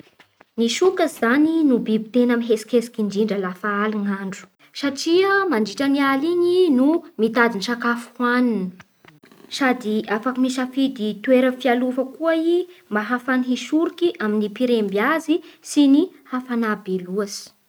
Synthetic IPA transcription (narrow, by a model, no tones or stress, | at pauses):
niʃukazizaninubibi̥t̪enamiɦesi̥kesi̥kiɳɖ͡ʐiɳɖ͡ʐəlafaaliŋaɳɖ͡ʐu̥ | saʈ͡ʂiəmaɳɖ͡ʐiʈ͡ʂənialiɲinumit̪ad̪inʃakafu̥hwaninə | sad̪iafakamisafid̪it̪uweɾəfialufəkuaimbaɦafaniɦiʃuɾikiʔaminipiɾembjazisinihafanabeluasi̥